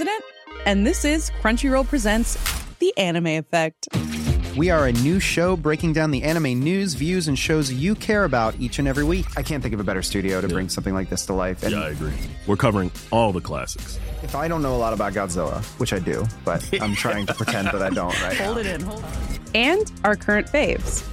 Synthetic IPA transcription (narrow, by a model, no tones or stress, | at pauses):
ɨɾɨ̃ntɨ̃nðɪsɪz̥kʰɹ̥ʌ̃nt͡ʃɹ̥iɹoʊpʰɹ̥izɛ̃ntsðiʔænɨmeɪɨfɛk̚ttwiə˞ɨnʉʃoʊbɹeɪkɪ̃ŋdãʊ̃nðiʔæñɨmeɪnʉzvjʉzɨ̃nʃoʊzjɨkʰɛɹɨbaʊɾit͡ʃɨ̃nɛvɹiwikaɪkʰæ̃nθɪ̃ŋkʌvɨbɛɾə˞stʉɾioʊɾɨbɹɪ̃ŋsʌ̃mθɪ̃ŋlaɪk̚ðɪstʰəlaɪfɨ̰̃jnɪɨɡɹḭwɨɹkʰʌvə˞ɪ̃ŋ | ɔlˠvðəkʰl̥æ̰sɨ̥ksɨfaɪɾõʊ̃nːoʊəlɔɾəbaʊt̚ɡ̥ɑdzoʊə̰wɨt͡ʃaɪdʉ̰b̥ʌ̰ɾã̰ɪ̃mtʰɹ̥aɪɪ̃ŋtʰɨ̥pʰɹ̥ɨtʰɛ̃nðɨɾaɪdõ̰ʊ̃nʔ̚ɹa̰ɪtholˠdɨɾɪ̃n | ɨ̃naə˞kʰɜ˞ɨ̃ntfeɪvz̥